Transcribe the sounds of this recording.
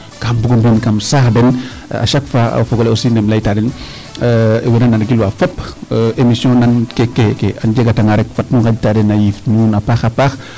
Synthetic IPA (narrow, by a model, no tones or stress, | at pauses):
kambuɡombinkamsaːxdɛn | a̰ʃakfa̰foɡoleosiːndɛmlajtadɛn | wenananɡilwafɐpemisjɔ̃nankekekeʔanɟeɡataŋaɾɛk̚fatnukaɟtaːdɛnajifnunapaːxapaːx